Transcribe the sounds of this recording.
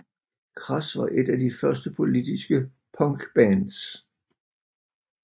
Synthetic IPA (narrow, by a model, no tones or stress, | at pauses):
kʰʁɑsʋɑʔe̝dædifɶɐsd̥əpʰo̝lid̥isɡ̥ə | pʰɒ̽ŋɡ̥b̥ænd̥s